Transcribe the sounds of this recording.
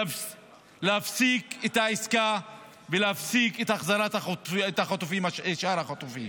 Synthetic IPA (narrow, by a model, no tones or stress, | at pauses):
leafsiket̪aiska | veleafsiket̪aχzaɾat̪aet̪aχat̪ufimaeʃaɾhaχat̪ufim